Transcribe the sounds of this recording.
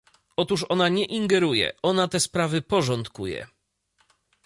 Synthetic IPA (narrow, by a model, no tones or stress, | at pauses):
ɔt̪uʂɔnaɲɛʔiŋɡɛɾujɛ̰ʔɔnat̪ɛspɾavɘpɔʐɔnt̪kujɛ̰